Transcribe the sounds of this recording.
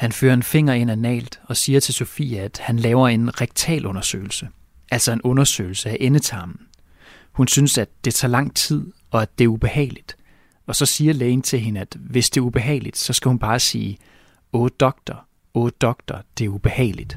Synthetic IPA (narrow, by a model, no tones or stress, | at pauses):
hænfø̰ːɐe̝nfe̝ŋ̰ɐe̝nænɛ̰ːld̥ɒ̽siːɐt͡sʰe̝lso̝fḭːææd̥hænlɛːʊɐe̝nʁɛɡ̥̚t͡sʰɛ̰ːlʔɔ̽nɐsø̰ːɪl̩sə | ʔæl̰sɒ̽e̝nɔ̽nɐsø̰ɪl̩səæʔenət͡sʰɑ̈ːmn̩ | hunsynsæd̥ːe̝t͡sʰɑ̈ːlɑ̈ŋ̰t͡sʰið̞̰ˠ | ɒ̽æd̥e̝æɐub̥e̝hɛ̰ːɪlid̥ | ɒ̽sɒ̽siːɐleːnt͡sʰe̝lɦe̝nəæd̥ʋe̝sd̥e̝ɐub̥e̝ɦɛ̰ɪlid̥sɒ̽sɡ̥æhunb̥ɑ̈ːsḭː | ɔːd̥ɒ̽ɡ̥̚d̥ɐ | ɔːd̥ɒ̽ɡ̥̚d̥ɐd̥e̝æɐub̥e̝hɛ̰ːɪlid̥